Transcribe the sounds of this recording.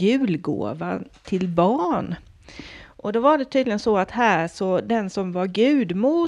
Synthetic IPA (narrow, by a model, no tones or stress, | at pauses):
ʉ̟ːlɡo̰ːvat̪ʰɪlbɑːɳ | ʔɔd̪ɔvaɖɛt̪ʰyːd̪lɪɡənsɔat̪hæːʂɔd̪ɛnsɔmvaɾɡʉ̟ːd̪muː